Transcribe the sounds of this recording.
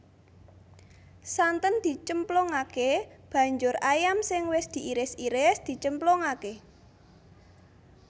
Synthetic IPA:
sant̪ənd̪̥i̤t͡ʃəmplɔŋakeb̥ä̤ɲd͡ʒʊrajamsɪŋwɪsd̪̥i̤ʔiɾɪsiɾɪsd̪̥i̤t͡ʃəmplɔŋake

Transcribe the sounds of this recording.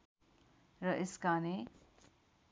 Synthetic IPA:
ɾʌʔɪskane

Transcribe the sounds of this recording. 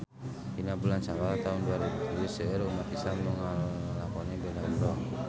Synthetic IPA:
inabulansawat̪aunduaɾibut̪uusəɾumat̪isamnɔŋalakɔnɛbɛnaulɔ

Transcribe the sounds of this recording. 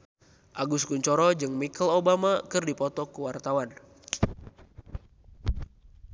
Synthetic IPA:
ʔaɡuskuɲt͡ʃɔɾɔd͡ʒɨŋmikəlobamakɨrdipɔt̪ɔkuwart̪awan

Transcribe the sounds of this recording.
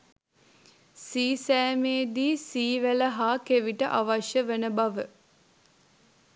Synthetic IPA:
siːsæːmeːd̪iːsiːʋæləɦaːkeʋiʈəʔaʋaʃjəʋənəbaʋə

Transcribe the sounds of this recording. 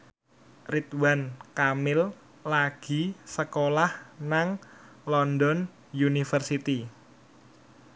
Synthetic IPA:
rit̪wankamɪl | laɡ̥i̤səkolahnaŋ | lɔnd̪ɔn | junifərsit̪i

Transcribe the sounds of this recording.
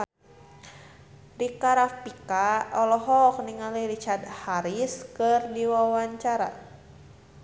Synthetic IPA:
dikaɾafpikaɔlɔɦɔk̚niŋaliɾit͡ʃadhaɾiskɨrdiwawaɲt͡ʃaɾa̰

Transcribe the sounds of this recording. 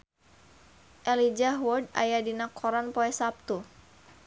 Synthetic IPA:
ʔɛlid͡ʒaɦwɔda̰jadinakʰɔɾanpɔɛsap̚t̪u

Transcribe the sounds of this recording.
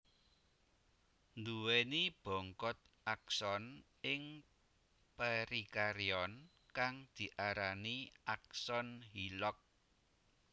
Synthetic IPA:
nd̪uwenib̥ɔ̤ŋkɔt̪̚ | aksɔn | ɪŋ | pəɾikaɾiɔn | kaŋd̪̥i̤ʔaɾaniak̚sɔnɦilɔk̚

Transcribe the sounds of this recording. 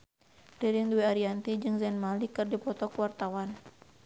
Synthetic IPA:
riɾiŋduɛaɾiant̪id͡ʒɨŋzɛnmalikɨrdipɔt̪ɔkuwart̪awan

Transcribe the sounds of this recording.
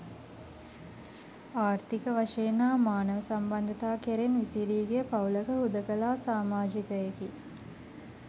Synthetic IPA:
aːɾt̪ikəʋaʂeːnaːmaːnəʋəsamband̪ət̪aːkeɾenʋisiɾiːɡejəpawləkəɦud̪əkəlaːsaːmaːd͡ʒikəeki

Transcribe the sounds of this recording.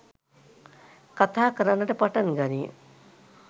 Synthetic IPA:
kat̪ʰaːkəɾanːəʈəpaʈanɡani

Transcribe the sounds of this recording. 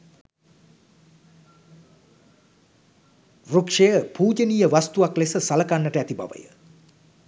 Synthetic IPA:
rukʂejəpuːd͡ʒənijəʋast̪uʋaklesəsaləkanːəʈəæt̪iba̰ʋə̰jə̰

